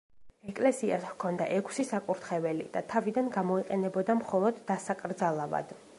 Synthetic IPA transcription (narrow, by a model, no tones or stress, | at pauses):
ɛkʼlɛsiaskʰɔnd̪a̰ʔɛkʰsisakʼuɾt̪ʰχɛvɛlḭd̪̥at̪ʰavid̪anɡamɔiqʼɛnɛbɔd̪amχɔlˠɔd̪ːasakʼɾd̪zalˠava̰d̪̥